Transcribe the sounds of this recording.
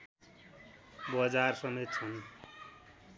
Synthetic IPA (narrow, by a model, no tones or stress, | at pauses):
bʌd͡zarsʌmet̪̚t͡sʰʌn